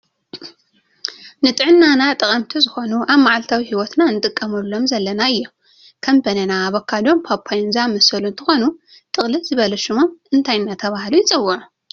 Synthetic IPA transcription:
nɨt̪ʼɨʕɨnːanat̪ʼɨkʼɐmt̪ʰizɨxo̞nuʔaβmaʕalt̪ʰawihiwɔt̪nanɨt̪ʼɨkʼːɐmɐlːo̞mzɐlːɐnaɨjːom | kʰɐmbɐnɐnaβɐkʰːad̪o̞mpʰapʰːajnzamɐsɐlunt̪ʰɨxo̞nu | t̪ʼɨxʼlizɨβɐlɐʃɨmomɨnt̪ʰajnːat̪ʰɐβahɨlujɪt͡sʼɨwːɨʕu

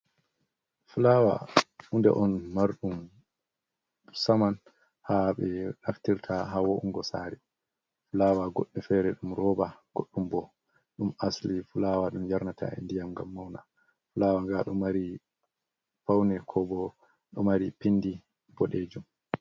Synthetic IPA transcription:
fulawa̰undɛ̰ʔɔnmaɾɗum | saman | haɓɛɗaftiɾtʰaɦawoʔuŋɡɔsaːɾɛ | fulaːwaɡɔɗːɛfɛɾɛɗumɾɔːbaɡ̥oɗːumbɔ | ɗumaslifulawaɗumjaɾnatʰa̰ɛ̰ndijamŋɡa̰mːawna | fulawaŋɡaɗumːaɾi | pawnɛkʰɔbɔ | ɗɔmaɾipinːdi | bɔɗeːd͡ʒum

